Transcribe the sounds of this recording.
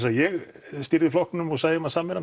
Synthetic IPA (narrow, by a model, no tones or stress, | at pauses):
sajɛɣ | st̪iɾðɪflɔknnʏmɔsaːðɪmasamːɪɾa